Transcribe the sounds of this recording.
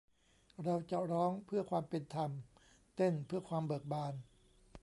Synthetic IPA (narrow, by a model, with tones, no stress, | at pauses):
ɾa˧wt͡ɕa˨˩ɾɔː˦˥ŋpʰɯ˥˩ɐkʰwaː˧mpe˧nt̪ʰa˧m | t̪e˥˩npʰɯ˥˩ɐkʰwaː˧mbɤ˨˩ək̚baː˧n